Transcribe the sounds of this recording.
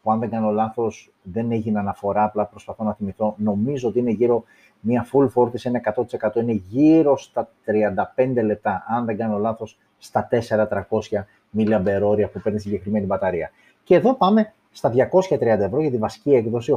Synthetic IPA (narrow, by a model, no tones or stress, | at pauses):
puɐnðe̞ŋɡɐno̞lɐθo̞s | ðe̞neʝinɐnɐfo̞ɾɐːplɐpɾo̞spɐθo̞nɐθimiθo̞no̞mizo̞ot̪iine̞ʝiɾo̞ | mɐfulfo̞ɾt̪isinɐekɐt̪o̞t̪i̥se̞kɐt̪o̞ine̞ʝiɾo̞st̪ɐt̪ɾiɐnd̪ɐpe̞nd̪e̞le̞p̚t̪ɐʔɐnðe̞ŋɡɐneo̞lɐθo̞sː | t̪ɐt̪e̞se̞ɾɐt̪ɾɐko̞sçɐ | miliɐbe̞ɾo̞ɾiɐpupe̞ɾnisiɲɟe̞xɾime̞nibɐt̪ɐɾiɐ | ce̞ðo̞pɐme̞ | st̪ɐðʝɐko̞sçɐt̪ɾiɐnd̪ɐe̞vɾo̞ʝɐt̪ivɐsi̥ciekðo̞si